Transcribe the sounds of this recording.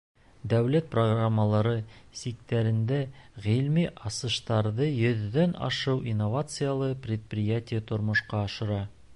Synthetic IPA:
d̪æwlæt̪̚proɡramːəlˠɑɾɤsik̚t̪æɾɘ̆nd̪æʁilmiʔɑsɤ̆ʃt̪ɑɾðɤjɵ̆ðːænɑ̰ʃɤwʔinːovat̪sɨjalˠɤprʲɪt̪̚prʲɪjætʲɪjət̪ŏɾmŏʃqɑːʃɤ̆ɾɑ

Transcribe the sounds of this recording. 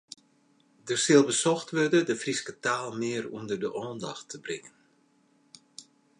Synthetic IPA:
dərsɪlˠbəsɔxtʋørdədəfriskətaːlˠmɪərundərdəʔɔːnda̰xtʰəbrɪŋən

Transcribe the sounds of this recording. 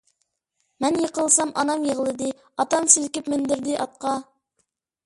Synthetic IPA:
mɛnjɤqəlˠsɑmʔɑnɑmjəʁlˠɨd̪ɪ | ɑt̪ɑmsɪlkʲɪpmɪnd̪ɪɾd̪ɪʔɑt̪̚qɑ

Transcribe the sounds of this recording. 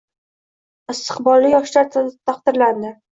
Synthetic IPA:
ɪst̪ʰɨ̥qbɒlˠːɪjɒʃlaɾt̪ʰt̪ʰɑqd̪ɪɾland̪ɪ

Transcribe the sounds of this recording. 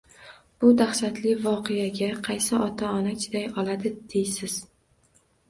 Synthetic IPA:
b̥ʊd̪aχʃat̪lɪvɒqʰejaɡʲaqʰɑjsɪɒt̪ʰaɒnat͡ʃʲʰɪd̪ajɒlad̪ɪd̪̥ejsɪz̥

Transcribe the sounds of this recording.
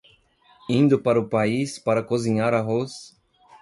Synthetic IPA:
ĩnd̪ʊpaɾɐʊpaispaɾɐkozĩɲaɾɐɦos

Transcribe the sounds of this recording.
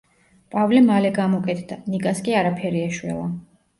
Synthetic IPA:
pʼavlɛmalɛɡamɔkʼɛt̪ʰd̪anikʼaskʼiaɾapʰɛɾiɛʃwɛ̰lˠa

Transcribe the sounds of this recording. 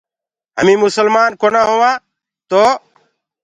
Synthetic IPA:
ɦə̰mĩːmʊsəlmaːnkoːnãːɦoːʋãː | t̪oː

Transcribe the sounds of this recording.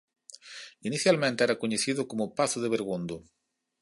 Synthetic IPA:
iniθjalmẽnt̪ɛɾakoɲeθiðʊkomʊpaθʊðeβeɾɣund̪o

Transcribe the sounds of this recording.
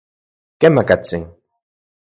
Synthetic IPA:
kemakat͡sɪŋ

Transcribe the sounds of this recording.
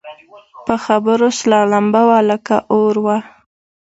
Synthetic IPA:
pəxabəɾoslɑlambawaləkaʔoɾwa

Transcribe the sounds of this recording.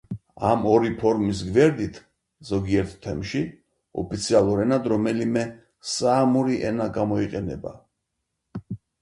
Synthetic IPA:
a̰mɔɾipʰɔɾmis̬ɡvɛɾd̪it̪ʰ | zɔɡiɛɾt̪ʰt̪ʰːɛmʃi | ɔ̰pʰit̪sʰialˠuɾɛnad̪ɾɔmɛlimɛ | saːmuɾiʔɛnaɡamɔiqʼɛnɛ̰ba̰

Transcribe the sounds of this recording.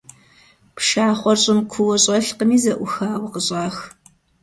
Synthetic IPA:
pʃaːχʷɔrɕʼɪmkʷʰʊwɐɕʼɐɬqəmiːzɐʔʷʊxaːwqəɕʼɑːx

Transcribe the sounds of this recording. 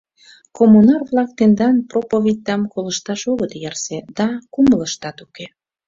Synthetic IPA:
komunɑrβlɑk̚t̪end̪ɑnpropovʲit̪̚ʲːɑmkoləʃt̪ɑʃoɣət̪jɑrsed̪̥ɑkumələʃt̪ɑt̪uke

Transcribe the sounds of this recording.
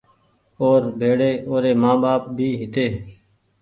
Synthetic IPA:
oːɾbʱeːɽeːoːɾeːmãːɓaːp̚bʱiːɦɪt̪eː

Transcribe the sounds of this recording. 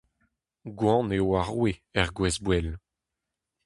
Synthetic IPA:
ɡwɑ̃neoaʁweɛʁɡwɛzbwɛl

